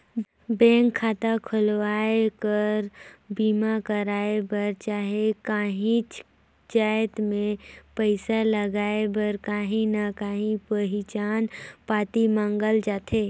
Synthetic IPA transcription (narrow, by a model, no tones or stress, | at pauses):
bɛ̃ːŋkʰːaːt̪akʰʊlʋaːekəɾbiːmakəɾaːebəɾt͡ʃaːɦekaːɦĩt͡ʃ | d͡ʒaːjt̪mẽpəɪsaləɡaːebəɾkaːɦĩnakaːɦĩpəɦɪt͡ʃaːnpaːt̪imãːŋɡəld͡ʒaːt̪ʰeː